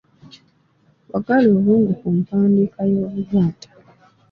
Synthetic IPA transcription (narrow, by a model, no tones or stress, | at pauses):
wʔaɡaloːβuːŋɡukumpaːndikajo̞ːβuɾjaːtḁ